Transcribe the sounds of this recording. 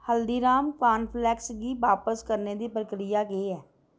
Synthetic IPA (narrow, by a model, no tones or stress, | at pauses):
həld̪iːɾaːmkaːnpʰlɛːksɡiːʋaːpəskəɾneːd̪iːpɾəkɾɪjaːɡeeːɛː